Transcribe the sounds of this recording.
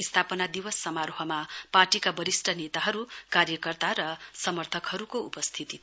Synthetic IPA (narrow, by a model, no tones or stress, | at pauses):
ist̪ʰapʌnad̪iwʌsːʌmaɾoɦʌmaparʈikabʌɾisʈʰʌnet̪aɦʌɾukarjʌkʌrt̪aɾʌsʌmʌrt̪ʰʌkɦʌɾukoupʌst̪ʰit̪i